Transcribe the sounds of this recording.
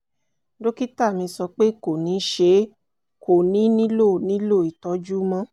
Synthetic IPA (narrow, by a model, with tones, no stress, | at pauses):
do˦ki˦ta˦˨mĩ˧sɔ˧k͡pe˦ko˨nĩ˨˦ʃe˧˦ | kʰo˨nĩ˨˦nĩ˦lo˦˨nĩ˦lo˦˨i˨tɔ˨˦d͡ʒu˦mã˦